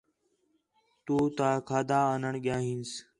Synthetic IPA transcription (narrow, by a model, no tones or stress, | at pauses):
t̪uːt̪aːkʰaːd̪aːənəɳɠjaːɦiːns